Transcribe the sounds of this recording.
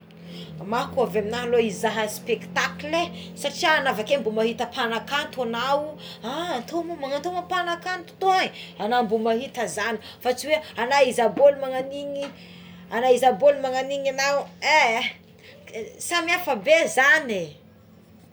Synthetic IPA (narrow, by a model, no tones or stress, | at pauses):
makuaveaminaloizaɦəspekt̪akle | saʈ͡ʂiaːnavakembumaɦit̪əpʰanakant̪anau | ant̪ʰomomaŋant̪omapanakant̪u̥t̪oaɲanambumaɦit̪əzani | fat͡ʃiweanaizabolmaŋaniɲi | anaizabolmaŋaniɲanawe | samiafəbezane